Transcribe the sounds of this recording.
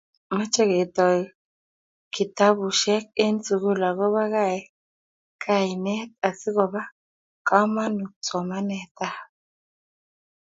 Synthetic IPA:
ma˦t͡ʃe˦ɡe˨t̪ɔ˨j | ki˨t̪a˦bu˨ʃɛ˦k̚e˦nsu˨ɡu˦la˨ɡo˦βa˦ka˦˨j | kʰa˦˨jnɛ˦t̪̚a˨si˦ɡo˨ba˦ | ka˦ma˦nu˨t͡sɔ˨ma˦nɛ˨t̪a˦

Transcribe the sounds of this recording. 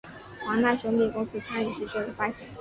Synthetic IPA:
xwa˧˥ŋna˥˩ɕʊ˧˥ŋli˥˩kʊ˥ŋsɹ̩˥t͡sʰa˥ny˨˩ʂ̩˥˧ʈ͡ʂə˨˩fa˥ɕɛ˧˥˦

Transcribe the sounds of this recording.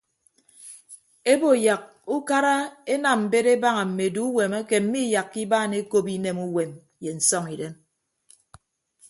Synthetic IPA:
e˦bo˨ja˨k̚u˦ka˦ɾa˦e˦na˨mm̩˨be˦ɾe˦ba˦ŋa˨m̩˨me˨du˦u˦we˨ma˦ke˨m̩˦mi˦ja˨kːi˦baː˦˨ne˦ko˦bi˦ne˦mu˦we˨m | je˨n̩˨sɔ˦ŋi˨de˦m

